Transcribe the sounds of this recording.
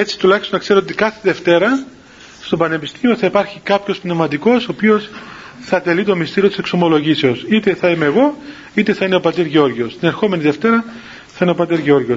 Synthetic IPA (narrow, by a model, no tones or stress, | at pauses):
e̞t͡si̥t̪ulɐçist̪onɐkse̞ɾoot̪ikɐθeðe̞ft̪e̞ɾɐ | st̪o̞bɐne̞pist̪imio̞θɐipɐɾçikɐpço̞spnevmɐt̪iko̞so̞ːpio̞sθɐt̪e̞lit̪o̞mist̪iɾio̞t̪isekso̞mo̞lo̞ʝise̞osit̪e̞θɐimeːɣo̞ | it̪e̞θɐineo̞pɐt̪eɾʝeo̞ɾʝio̞st̪ine̞ɾxo̞me̞niðe̞ft̪eɾɐ | θɐineo̞pɐt̪eɾʝeo̞ɾʝio̞s